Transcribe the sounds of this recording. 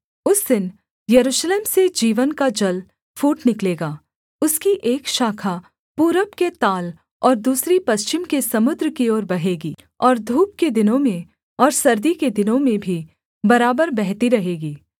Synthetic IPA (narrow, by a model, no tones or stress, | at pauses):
ʊsd̪ɪn | jɐɾuːʃleːmsed͡ʒiːʋənkad͡ʒɐl | fuːʈnɪkleːɡaː | ʊskiʔeːkʃaːkʰa | puːɾəpket̪aːl | ɔːɾd̪uːsɾipɐst͡ʃɪmkesɐmʊd̪ɾkiɔːɾbɐɦeːɡiː | ɔːɾd̪ʱuːp̚ked̪ɪnõmẽ | ɔːɾsɐɾd̪iked̪ɪnõmẽbʱi | bɐɾaːbəɾbɛɦt̪iɾɐɦeːɡiː